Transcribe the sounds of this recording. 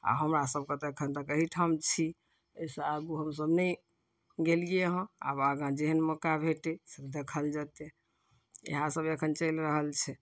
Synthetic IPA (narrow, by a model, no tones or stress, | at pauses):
a̰ɦəmɾasəb̚kət̪eekʰənt̪əkəɦiʈʰamt͡ʃʰi | əisəaɡuɦəmsəbnə | ɡelijeɦə̃a̰baɡãd͡ʒeɦənməkabʱeʈesəbd̪ekʰəld͡ʒat̪e | ḛɦãsəbekʰənt͡ʃəjlɾəɦəlt͡ʃʰɛ